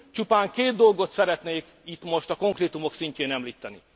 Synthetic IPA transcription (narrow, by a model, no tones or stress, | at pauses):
t͡ʃupaːŋkeːd̪dːo̞lɡo̞t̪sɛɾɛt̪neːk | it̪mo̞ʃt̪ɒko̞ŋkreːt̪umo̞ksiɲceːnɛmliːt̪ːɛnḭ